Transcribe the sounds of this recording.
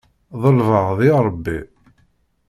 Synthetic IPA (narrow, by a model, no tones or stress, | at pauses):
ðˤəlvəʁðiɾˤəbːi